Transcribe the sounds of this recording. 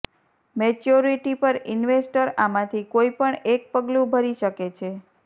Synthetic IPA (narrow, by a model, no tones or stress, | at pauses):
met͡ʃoɾiʈipəɾinʋesʈəɾamãt̪ʰikoipəɳek̚pəɡlũbʱəɾiʃəket͡ʃʰe